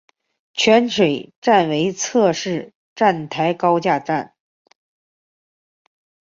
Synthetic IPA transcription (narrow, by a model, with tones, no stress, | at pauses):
t͡ɕʰɥɛ˧˥nʂwe˨˩ɪʈ͡ʂa˥˩nwe˧˥ɪt͡sʰɤ˥˧ʂɻ̩˥˩ | ʈ͡ʂa˥˩nt̪ʰa˧˥ɪkɑ˥ʊt͡ɕja˥˧ʈ͡ʂa˥˩n